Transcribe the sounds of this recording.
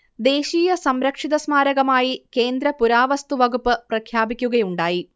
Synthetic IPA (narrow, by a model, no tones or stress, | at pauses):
d̪e̞ːɕiːjɐsɐmɾɐkʂiðɐsmaːɾɐɣɐmaːjike̞ːnd̪ɾɐpuɾaːʋɐst̪uʋɐɣupːɨprɐkʰjaːbikʲːuɣɐjuɳɖaːji